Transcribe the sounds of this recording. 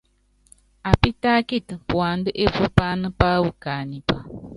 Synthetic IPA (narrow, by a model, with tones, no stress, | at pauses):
a˨pi˦ta˦ki˦˨tpwa˨n˦də˦ʔe˦vu˦pa˦nə˦pa˦wu˨ka˨ni˨pa˦